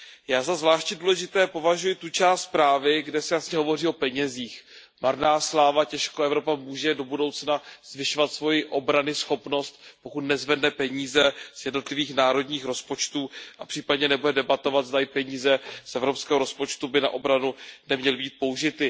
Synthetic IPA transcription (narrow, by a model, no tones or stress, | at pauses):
jaːzazvlaːʃtɲɛduːlɛʒɪt̪ɛːpo̞vaʒujɪt̪ut͡ʃaːst̪spɾaːvɪɡdɛsɛjasɲɛɦo̞vo̞riːo̞pɛɲɛziːx | maɾnaːslaːvacɛʃkoʔɛvɾo̞pamuːʒɛdo̞budo̞wt͡snaz̥vɪʃovat̪svo̞jɪʔo̞bɾanɪsxo̞pno̞st̪po̞kut̪nɛzvɛdnɛpɛɲiːzɛz̥jɛdno̞t̪lɪviːxnaːɾo̞dɲiːxɾo̞spo̞t͡ʃt̪uːʔapr̥iːpadɲɛnɛbudɛdɛbat̪o̞vad̪zd̪ajɪpɛɲiːzɛsʔɛvɾopskɛːɦoɾo̞spo̞t͡ʃt̪ubɪna̰ʔo̞bɾanunɛmɲɛlɪbiːt̪̚po̞uʒɪt̪ɪ